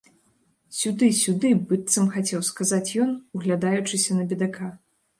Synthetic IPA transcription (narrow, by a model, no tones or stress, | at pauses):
sʲud̪ɨsʲud̪ɨbɨt̪sɐmxat͡sʲɛwskazat͡sʲjɔnuɣlʲad̪ajut͡ʂɨsʲɐnɐbʲid̪aka